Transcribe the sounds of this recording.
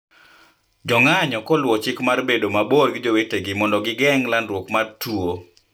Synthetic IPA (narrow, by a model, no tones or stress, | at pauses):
d͡ʒɔŋaɲɔkɔlwɔt͡ʃɪkmarbedomaborɡɪd͡ʒoweteɡɪmɔndɔɡɪɡɛŋlanɾwokmartuo